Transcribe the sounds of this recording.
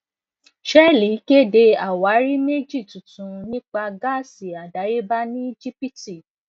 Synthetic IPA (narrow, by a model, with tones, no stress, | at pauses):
ʃɛ˦li˨˦ke˦de˧a˨wa˨˦ɾi˦me˦d͡ʒi˦˨tũ˨tũ˨nĩ˦k͡pa˧ɡa˦˨si˨a˨da˨˦ɾe˦ba˦nĩ˦i˦d͡ʒi˦pi˦ti˨